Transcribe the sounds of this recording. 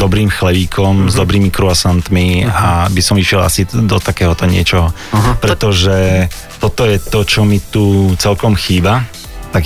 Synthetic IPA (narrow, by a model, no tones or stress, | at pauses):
d̪ɔbɾiːmxlɛʋiːkʰɔmzd̪ɔbɾiːmikɾuasant̪miabisɔmiʃɪɛla̰sid̪ɔt̪akɛːɦɔt̪ɔɲɪɛ̰t͡ʃɔɦɔ | pɾɛt̪ɔʒɛ | t̪ɔt̪ɔjɛt̪ɔt͡ʃɔmit̪ut͡sɛlkɔmxiːba | t̪ak